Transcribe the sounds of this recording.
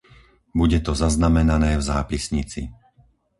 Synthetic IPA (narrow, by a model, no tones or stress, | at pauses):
buɟɛt̪ɔzaznamɛnanɛːvzaːpisɲit͡sḭ